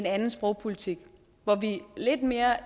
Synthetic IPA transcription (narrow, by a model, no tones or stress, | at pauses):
enænn̩sb̥ʁɔʊ̰pʰulit͡sʰiɡ̥ | ʋɒʋile̝d̥me̝ːɐ